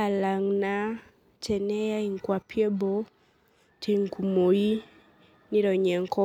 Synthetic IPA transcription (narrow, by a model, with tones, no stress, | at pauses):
a˨la˨ŋna˦ | t͡ʃɛ˨nɛ˦ja˦i˨ŋ˨kwa˨pjɛ˦bɔ˦ | tʰi˨ŋ˨ku˨mo˨i˦ | ni˦ɾɔ˨ɲɛ˨ŋkɔ˦